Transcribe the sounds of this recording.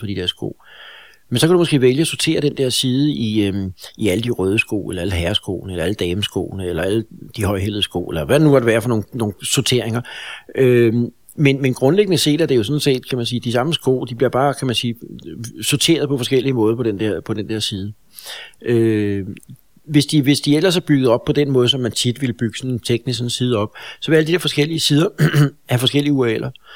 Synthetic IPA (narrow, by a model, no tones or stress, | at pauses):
pʰɒd̥id̥eɐsɡ̥o̰ | mensɒ̽kʰæɾumɒ̽sɡ̥e̝̰ːʋeljəɒsoɐt͡sʰe̝̰ːɐɾ̥end̥eɐ̰siːðˠəi | iæləd̥iʁœːð̞ˠəsɡ̥o̝̰ːelɐæləɦæɐsɡ̥o̰ːnəelɐæləd̥ɛːmsɡ̥ɔ̰ːnəelɐæləd̥ihɒ̽ɪɦel̰ð̩ˠsɡ̥o̰ʊːelɐʋæd̥enuʋɑ̈ɾ̥eʋæːɐfɒno̝ːnno̝ːnsot͡sʰe̝ɐ̰e̝ŋɐø | menmenɡ̥ʁɔ̽nleɡ̥ənəse̝̰ːd̥æɐd̥e̝jo̝sɔ̽nse̝̰ːd̥kʰæmænsiːd̥isɑ̈məsɡ̥ɔ̰ʊ̰d̥ib̥liɐb̥ɑ̈ːkʰæmænsiːsot͡sʰe̝̰ːɐð̞ˠpʰɒ̽fɒ̽sɡ̥el̰iəmɔ̽ːð̞ˠpɒ̽d̥end̥eɐ̰pʰɒ̽d̥end̥eɐ̰siːð̞ˠə | ʔø | ʋe̝sd̥iʋe̝sd̥iel̰ɐsæb̥yɡ̥əð̞̩ˠɒ̽b̥̚pʰɒ̽d̥enmɔ̽ːðˠsɒ̽mːænt͡sʰid̥ʋiləb̥yɡ̥ə̥sɒ̽nnt͡sʰeɡ̥nisɒ̽nsiːð̞ˠɒ̽b̥sɒ̽ʋeældid̥eɐfɒsɡ̥el̰iəsiːð̞ˠɐæfɒ̽sɡ̥el̰iəuɐelʔɐ